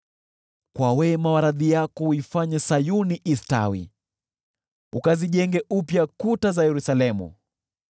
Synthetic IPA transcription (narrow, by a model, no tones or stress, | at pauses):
kwawɛmawaɾaðijakɔuifaɲɛsajuniʔista̰wḭ | ukaziʄɛŋɡɛʔupjakutazajɛɾusalɛmṵ